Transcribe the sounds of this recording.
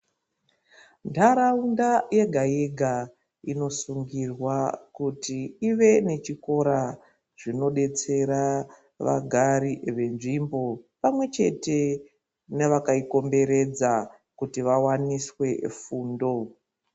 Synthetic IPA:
ndʰaɾaundaje̞ɡʱajeɡʱa | ino̞suŋɡirwakutiiʋe̞ne̞t͡ʃiko̞ɾa | ʐ̥ino̞ɗe̞t͡se̞ɾa | ʋa̰ɡʱaɾiʋe̞nʐimbo̞pamwe̞t͡ʃe̞̰te̞ | neʋakaiko̞mbe̞ɾe̞d͡za | kutiʋawaniswe̞fuːndo̞

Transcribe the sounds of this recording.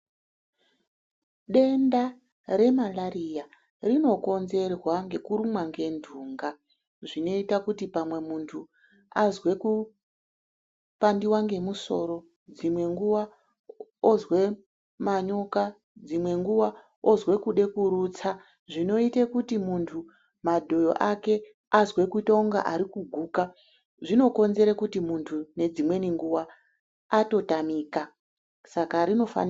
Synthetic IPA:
ɗe̞nda | re̞malaɾija | rino̞ko̞nze̞rwaŋɡe̞kuɾumwaŋɡe̞ndʱuːŋɡa | ʐino̞itakutipamwe̞muntʰu | azwe̞ku | pandiwaŋɡe̞muso̞ɾo̞ | d͡zimwe̞ŋɡuwa | ozwe | maɲo̞ka | d͡zimwe̞ŋɡuʋa | ozwe̞kuɗe̞kuɾut͡sa | ʐino̞itekutimuntʰu | madʱo̞jo̰ʔake̞ | azwe̞kutauŋɡa̰ʔaɾikuɡʱuːka | ʐino̞ko̞nze̞ɾekutimuntʰune̞d͡zimwe̞niŋɡuwaː | to̞tamiːka | sakaɾino̞fa̰n

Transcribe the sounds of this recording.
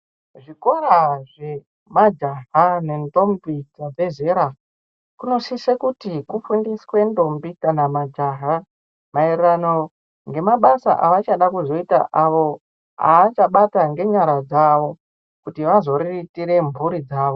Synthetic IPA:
ʐiko̞ɾaʐe̞ | mad͡ʒaɦane̞ndo̞mbid͡zabe̞ze̞ɾa | kuno̞sisekutikufundiswe̞ndo̞mbikanamad͡ʒaɦa | mairrano̞ | ŋɡe̞maɓasa̰ʔa̰ʋat͡ʃaɗakuzo̞ita̰ʔaʋo̞ | a̰ːt͡ʃaɓataŋɡe̞ɲaɾad͡zaʋo̞ | kutiʋazo̞ɾiitiɾe̞mbuɾid͡zaːʋo

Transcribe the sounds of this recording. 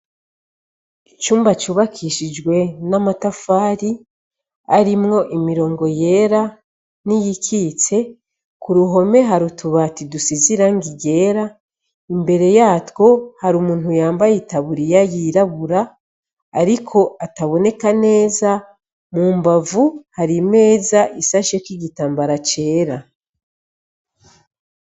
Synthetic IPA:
it͡ʃuːmbat͡ʃuːβakʰiʃid͡ʒɡwe̞namatafaːɾi | aɾimŋo̞ʔimiɾo̞ːŋɡo̞je̞ɾa | nijikʰit͡se̞ | kuɾuɦo̞me̞ɦaɾutuβatidusiziɾaŋɡiɟe̞ːɾa | imbe̞ɾe̞jaːtwo̞haɾumuːn̥hujaːmbajitaβuɾijajiɾaβuɾaː | ɾikʰo̞ʔataβo̞ne̞kane̞ːza | muːmbavuhaɾime̞ːzaʔisaʃekwiɡitaːmbaɾat͡ʃe̞ːɾa

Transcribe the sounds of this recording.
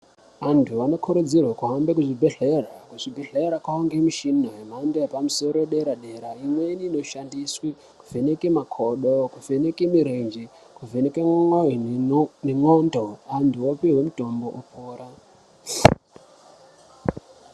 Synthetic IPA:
antʰuano̞kʰuɾud͡zirwakuɦambekuʐibʱeɮe̞rakuʐibʱeɮeɾakwaoŋɡemiʃinoɦem̤andojepamuso̞ɾoɗe̞ɾaɗe̞ɾaimweniːno̞ʃandiswi | kuve̞nekemakʰoɗokuvʱe̞nekimiɾend͡ʒi | kuvenekeŋoineŋondoantʰuopiwemuto̞mbo̞ʔopʰoːɾa

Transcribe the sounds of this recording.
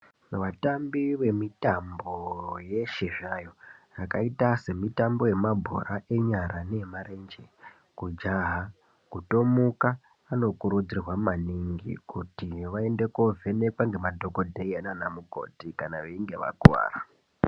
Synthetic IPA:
ʋatambiʋe̞mitambo̞je̞ʃeʐajo̞rakaitase̞mitambo̞je̞mabʱo̰ɾaʔe̞ɲaɾane̞maɾe̞nd͡ʒe̞ | kud͡ʒaɦa | kuto̞mukaː | no̞kuɾud͡zirwamaniŋɡḭkutiʋae̞nde̞kovʱe̞ne̞kwaŋɡe̞madʱo̞ko̞dʱeiananamuko̞̰tikanaʋeiŋɡe̞ʋa̰kua̰ːɾa

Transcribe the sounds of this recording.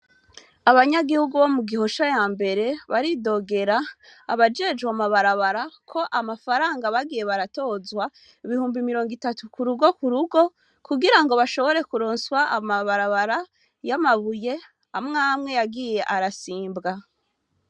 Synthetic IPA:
aβaɲaɡihuɡuβo̞muɡiho̞ʃajaːmbe̞ɾe̞βaɾido̞ɡe̞ɾa̰ːβad͡ʒe̞d͡ʒɡwamaβaɾaβaɾakʰo̞ʔamafaɾaːŋɡaβaɡije̞βaɾato̞ːzwa | iβihuːmbimiɾo̞ːŋɡitatukuɾuɡo̞kuɾuɡo̞ | kuɡiɾaŋɡo̞βaʃo̞βo̞ɾe̞kuɾoːnswaʔamaβaɾaβaɾa | jamaβuje̞ | amŋaːmŋe̞jaɡiːje̞ʔaɾasiːmbɡa

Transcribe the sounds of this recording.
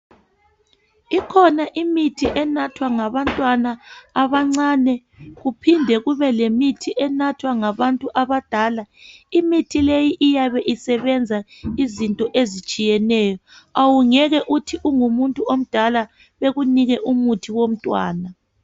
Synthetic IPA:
ikʰɔnaʔimitʰiʔɛnatʰwaŋaβantʼwanaːβaŋ͡ǀanɛ | ɣupʰindʱɛɣuβɛlemitʰiʔɛnatʰwaŋaβantʼuʔaβad̥ʱaːlaimitʰilejiʔijaβɛʔisɛβɛnd͡zʱaizintʼɔʔezit͡ʃʼijɛnɛːjɔawuŋɛɣɛʔutʰiʔuŋumuntʼuom̩d̥ʱala | βeɣuniɣɛʔumutʰiwom̩tʼwaːna

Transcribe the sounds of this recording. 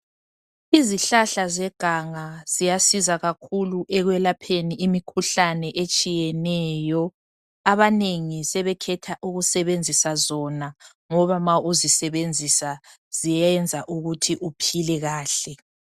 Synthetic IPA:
iziɬaɬazɛɡ̥ʱaŋaz̥ijasizaɣakʰuluʔɛɣwɛlapʰeniimikʰuɬanɛʔet͡ʃʼijɛnɛːjɔ | aβaneŋisɛβɛkʰɛtʰaʔuɣusɛβend͡zʱisazɔna | ŋɔβamauzisɛβend͡zʱisa | z̥ijɛnd͡zʱaʔuɣutʰiʔupʰilɛɣaːɬɛ

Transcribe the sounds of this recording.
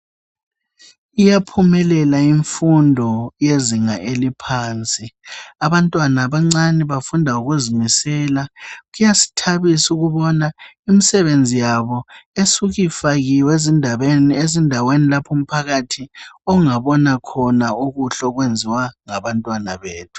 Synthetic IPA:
ijapʰumɛlɛlaiɱfundʱɔjeziŋaʔelipʰaːnt͡sʼiaβantʼwanaβaŋ͡ǀanɛβafundʱauɣuzimisɛːlaɣujasi̥tʰaβisuɣuβɔna | imisɛβend͡zʱijaβɔesuɣifaɣiweziezindʱawenilapʰum̩pʰaɣatʰiɔŋaβɔnakʰɔnauɣuɬɔɣwend͡zʱiwaŋaβantʼwana̰βeːtʰu̥

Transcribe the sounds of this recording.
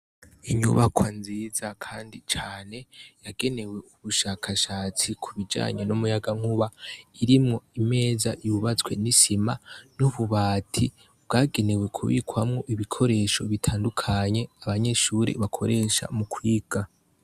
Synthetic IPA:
iɲṵβakwanziːzakʰaːndit͡ʃaːne̞jaɡe̞ne̞we̞uβuʃaːkʰaʃaːt͡sikʰuβid͡ʒa̰ːɲenumujaɡaŋ̥huβaiɾimŋo̞ime̞ːzajuβat͡swe̞̰nisimanuβuβaːtʰi | bɡaːɡe̞ne̞we̞kʰṵβḭːkwamŋo̞ʔiβikʰo̞ɾe̞ʃo̞̰βitʰaːndukʰaɲe̞aβaɲe̞ʃuɾḛβakʰo̞̰ɾe̞ʃa̰mukwiːɡ̥a

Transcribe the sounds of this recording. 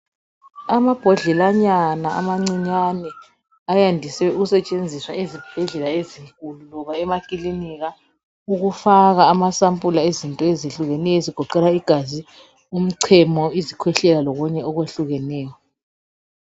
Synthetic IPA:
amab̥ʱɔɮɛlaɲanaʔa̰maŋ͡ǀiɲanɛ | ajandʱisɛuɣusɛt͡ʃʼend͡zʱiswaezib̥ʱɛɮɛlaeziŋkʼululɔβaɛmakʼiliniɣa | uɣufaɣaːmasampʼulaezintʼɔeziɬuɣɛnɛjɔeziɡ̥ʱɔǃɛlaiɡ̥ʱazi | um̩ǀʰɛmɔizikʰwɛɬɛlalɔɣuɲɛɔɣweɬuɣɛnɛːjɔ

